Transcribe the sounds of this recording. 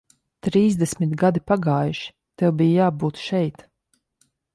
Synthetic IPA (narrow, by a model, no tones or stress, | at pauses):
t̪ɾiːzd̪ɛsʲmʲit̪ɡad̪ipaɡaːjuʃi̥ | t̪ɛwbijjaːbuːt̪ʃɛjt̪